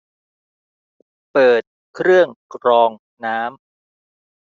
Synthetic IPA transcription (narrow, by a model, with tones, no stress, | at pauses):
pɤː˨˩t̪̚ | kʰɾɯ˥˩əŋkɾɔː˧ŋ | naː˦˥m